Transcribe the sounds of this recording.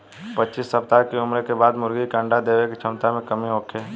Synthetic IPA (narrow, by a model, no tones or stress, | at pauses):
pətːt͡ʃisːəpt̪akeʊmɾekebaːd̪mʊɾɡikə̃ːɳɖad̪eːʋekit͡ʃʰəmt̪amẽkəmiɦoːkʰeː